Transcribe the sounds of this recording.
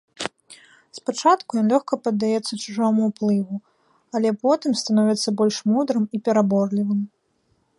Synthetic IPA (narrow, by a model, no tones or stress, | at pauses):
spat͡ʂat̪kujɔnlʲɔxkɐpɐd̪ːajɛt̪sːɐt͡ʂuʐɔmuwplˠɨvu | alʲɛpɔt̪ɨmst̪anɔvʲɛt̪sːɐbɔlʲʂmud̪ɾɨmipʲɛɾabɔrlʲivɨm